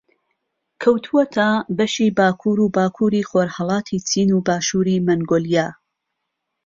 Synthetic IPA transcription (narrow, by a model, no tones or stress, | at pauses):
kʰɐwt̪ʰuwɐt̪ʰɐbɐʃiːbaːkʰuːɾuːbaːkʰuːɾiːxoːɾhɑlˠɑːt̪ʰiːt͡sʰiːnuːbaːʃuːɾimɐŋɡoːlijaː